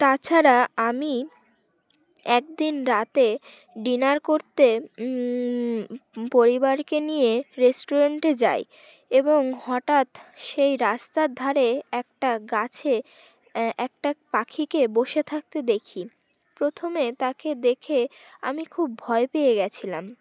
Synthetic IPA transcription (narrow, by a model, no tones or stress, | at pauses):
t̪at͡ɕʰaɾaami | ɛk̚d̪inɾat̪e | ɖinaɾkoɾt̪e | poɾibaɾkenijeɾesʈoɾaɳʈed͡ʑa̰j | eboŋhɔʈat̪ʃejɾast̪aɾd̪ʱaɾeɛkʈaɡat͡ɕʰe | ɛk̚ʈapakʰikeboʃet̪ʰak̚t̪ed̪ekʰi | pɾot̪ʰomet̪aked̪ekʰea̰mikʰub̚ːʱɔepeeɡɛt͡ɕʰilam